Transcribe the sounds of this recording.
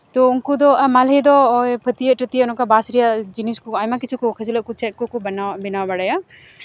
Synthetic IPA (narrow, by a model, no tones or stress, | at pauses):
t̪ɔunkud̪ɔʔamalɦɛd̪ɔpʰət̪ijəʈət̪ijəɔnɔkabasɾijad͡ʒiniskuajmakit͡ʃʰukɔkʰəd͡ʒʰiləʔ̚kut͡ʃʰɛt̪̚kɔkubənabinawabaɽaja